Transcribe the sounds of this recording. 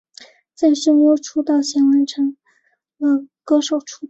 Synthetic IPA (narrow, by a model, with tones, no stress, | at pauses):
t͡sa˥˩ɪʂə˥ŋɔ˥˩ʈ͡ʂʰu˥t̪ɑ˥˩ʊɕjɛ˧˥nwə˧˥nʈ͡ʂʰɤ˧˥ŋ | ə˧˩kɤ˥ʂo˨˩ʊʈ͡ʂʰu˥